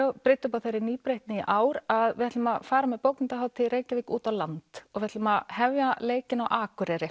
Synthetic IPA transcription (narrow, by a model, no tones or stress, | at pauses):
pɾɪt̪ːʏpaθejɾːɪɾniːpɾejht̪nɪʔaːwɾaðvɪhɛt̪lʏmaðfaːɾamɛðpowknɪnt̪aɦaːwt̪ʰɪɾeːjcaviːkuːt̪awlant̪ɔɣvɪhɛt̪ʏmaðhɛvjaleːjcɪnawʔaːkʏɾɛɾɪ